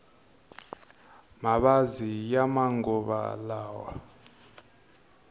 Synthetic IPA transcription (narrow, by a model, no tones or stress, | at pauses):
maɓazijamaŋɡɔɓa̰laːwa̰